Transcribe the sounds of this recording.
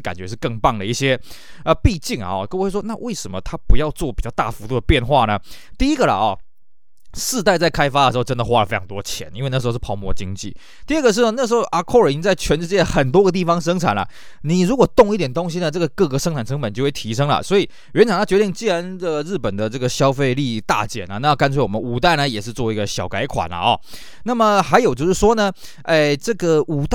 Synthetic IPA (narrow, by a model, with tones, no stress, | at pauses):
ka˨nt͡ɕɥɛ˧˥ʂɻ̩˥˧kɤ˥˧ŋpɑ˥˩ŋd̪ə˩i˥˩ɕjɛ˥ | ə˧pi˥˧t͡ɕi˥˩ŋɐ̰˨˩ɔ̰˨kə˥˧˥ʂwɔ˥na˥˧we˥˩ɪʂə˨˩nmə˨t̪ʰa˥pu˧˥jɑ˥˧ʊt͡swɔ˥˩pi˨˩t͡ɕjɑ˥˧ʊt̪a˥˩fu˧˥t̪u˥˩d̪ə˩pjɛ˥˧nxwa˥˩nə˩t̪i˥˧i˥ɡə˨lɐ̰˩ɔ̰˨˩ | sɹ̩˥˧t̪a˥˧ɪt͡sa˥˩ɪkʰa˥ɪfa˥də˩ʂɻ̩˧xo˥˧ʊʈ͡ʂə˥nd̪ə˨xwa˥lə˨fe˥jɑ˧˥ŋt̪wɔ˥t͡ɕʰjɛ̰˧˦nʔi˥nwe˧na˥˩˧ʊmwɔ̰˧t͡ɕi˦˥ŋt͡ɕḭ˥˩ | t̪i˥˧ə˥˩ɡə˩ʂ̬ɻ̩˥˩˧na˥˩ʂ̬̩˧˥xo˥˩ʊʔa˨˩kʰɔ˥˧ə˨˩i˧˥nt͡sa˥˩ɪt͡ɕʰɥɛ˧˥nʂɻ̩˥˧˩t͡ɕjɛ˥ə˨xə˨˩nt̪̬wɔ˥ɡə˨t̪̬i˥˩fɑ˥ŋʂ̬ɤ˥ŋt͡sʰa̰˨˩nlɐ̰˩ | ni˨˩ɻu˧˥kwɔ˨˩t̪ʊ˥˧ŋi˥˩t̪jɛ˨˩nt̪o˥ŋɕi˥nə˨ʈ͡ʂɤ˥˩ɡə˩kɤ˥˧kɤ˧˥ʂə˥ŋʈ͡ʂʰa˨˩nʈ͡ʂʰɤ˧˥ŋpə˨˩nt͡ɕo˥˧ʊwe˥˩t̪ʰi˧˥ʂɤ˥ŋlə̰˨˩swɔ˧˥i˨˩ | ɥɛ˧˥nt͡sʰŋt̪ʰa˥t͡ɕɥɛ˧˥t̪i˥˩ŋt͡ɕi˥ɻa˧˦nd̪ə˨ɻɻ̩˥˩pə˨˩nd̪ə˩ʈ͡ʂɤ˥˩ɡə˩ɕjɑ˥ʊfe˥˧ɪli˥˧t̪a̰˥˩t͡ɕjɛ̰˨˩nɐ˦na˥˧jka˥nt͡sʰɛ˧˥ɪwɔ˨˩mə˧˦nu˨˩t̪a˥˩ɪnə˩jɛ˨˩ʂɻ̩˥˧t͡swɔ˥˩i˧˥ɡə˨ɕjɑ˨˩ʊka˧˥ɪkʰwa̰˨˩nlɐ̰˨˩ɔ̰˨˩ | na˥˩mə˨xa˧˥ɪjo˨ʊt͡ɕjo˥˧ʂɻ̩˥˩ʂwɔ˥nə˨ | ʔe˥˧˩ʈ͡ʂɤ˥˩ɡə˨˩u˨˩t̪